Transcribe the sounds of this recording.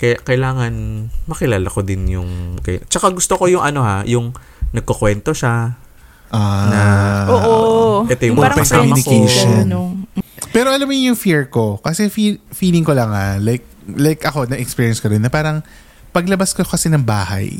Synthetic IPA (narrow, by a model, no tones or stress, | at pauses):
kɐjkɐjlaːŋɐnmɐkɪlaːlɐko̞d̪ɪnjʊŋkɐjt͡ʃɐkaɡʊst̪oko̞jʊŋʔɐno̞hajʊŋ | nɐɡ̚kokwɛnt̪o̞ʃa | ʔanɐʔoːʔoɛt̪ojʊŋaɾɐpɐsaːmɐɪkeonnopɛːɾoʔɐlamːojjʊŋfiɹko̞kɐsɛfifiːlɪŋkolɐŋhalajk̚ | lajkɐko̞nɐʔɛkspiːɹjɛnskoɾɪnːɐpaːɾɐŋ | pɐɡlɐbaskokɐsɛnɐŋbaːɦa̰j